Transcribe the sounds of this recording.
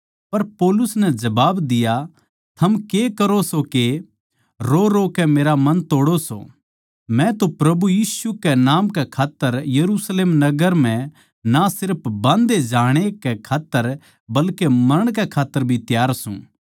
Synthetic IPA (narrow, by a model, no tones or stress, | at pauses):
pɐɾpɔːlʊsnɛd͡ʒɐbaːbd̪ɪja | t̪ʰɐmkekɐɾosoke | ɾoɾokɛmeːɾamɐ̃nt̪oːɽoso̰ | mɛ̃t̪opɾɐbujiːsukɛnaːmkɛkʰaːt̪ːəɾjɐɾusleːmnɐɡəɾm̤ɛ̃ | nasɪɾpʰbãːnd̪ed͡ʒaːɽ̃ekɛkʰaːt̪ːəɾ | bɐlkemɐɾəɽ̃k̬ɛkʰaːt̪ːəɾbʱit̪jaːɾsṵ̃ː